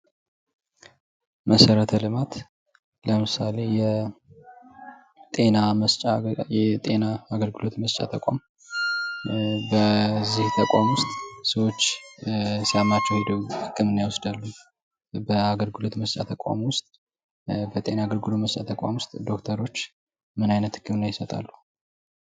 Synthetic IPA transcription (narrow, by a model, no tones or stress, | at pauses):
məsəɾət̪ʰəlɨmat̪ | ləmɨsale̞jɛ | t̪ʼe̞naəst͡ʃʼajɛt̪ʼe̞naːɡəlɡɨlo̞t̪məst͡ʃʼa̰t̪ʰəkʼa̰m | bəzːiht̪ʰəkʷʼa̰mwʊst̪ʼsəwo̞t͡ʃː | sijalmat͡ʃːɛwhe̞d̪əwhɨkʰːɨmɨnːijawɔsd̪alːu | bəaɡəlɡɨlo̞t̪məst͡ʃʼa̰t̪ʰəkʼa̰mwʊst̪ʼ | bət̪ʼe̞naːɡəlɡɨlo̞məst͡ʃʼa̰t̪ʰəkʼa̰mwʊst̪ʼd̪o̞kt̪ʰəɾo̞t͡ʃː | mɨnajnət̪hɨ̥kːɨmɨnːajɪsət̪ʼa̰lːu